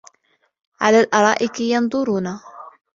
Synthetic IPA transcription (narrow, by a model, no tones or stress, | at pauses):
ʕa̰laːlʔɑɾˤɑːʔɪkɪjɑnd̪ˤʊɾuːna